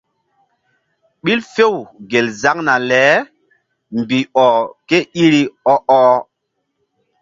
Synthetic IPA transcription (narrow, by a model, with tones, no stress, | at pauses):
ɓi˦lfe˦˨wɡe˨lza˦ŋna˨lɛ˨˦ | mbi˨ɔ˨ke˦ʔi˦ɾi˦ɔ˦ʔɔ˦